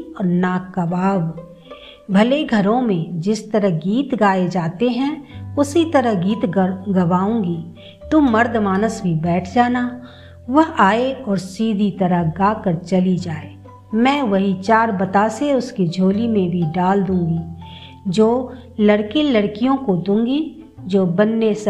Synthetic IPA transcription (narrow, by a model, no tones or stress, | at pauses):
ɔːnakɐbaːʋ | bʱɐleɡʱɐɾõmẽd͡ʒɪst̪əɾəɦɡiːt̪ɡaːed͡ʒaːt̪eɦɛ̃ʊsit̪ɐɾəɦɡiːt̪ɡɐʋaːũːɡiː | t̪ʊmɐɾd̪ʱmaːnəsbʱibɛːʈʰd͡ʒaːna | ʋɐɦaːeɔːɾsiːd̪ʱit̪ɐɾəɦɡaːkəɾt͡ʃɐlid͡ʒaːeː | mɛ̃ːʋɐɦit͡ʃaːɾbɐt̪aːseʊskid͡ʒʱoːlimẽbʱiɖaːld̪ũːŋɡi | d͡ʒoː | lɐɽkilɐɽkijõkod̪ũːɡi | d͡ʒoːbɐnːes